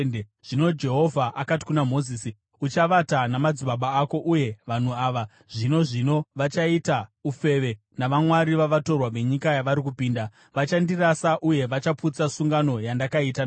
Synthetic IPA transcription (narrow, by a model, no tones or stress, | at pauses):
ʐ̥ino̞d͡ʒe̞ɦo̞vʱaʔakati̥kunamo̞ziːsi | ut͡ʃaʋatanamad͡ziɓaɓaːko̞ʔuje̞ʋan̤uaːʋa | ʐ̥ino̞ʐino̞ʋat͡ʃaitaufe̞ʋe̞ | naʋamwaɾiʋaʋato̞rwaʋe̞ɲikajaʋaɾikupiːnda | ʋat͡ʃandirasaʔuje̞ʋat͡ʃaput͡sasuŋɡano̞jandakaitan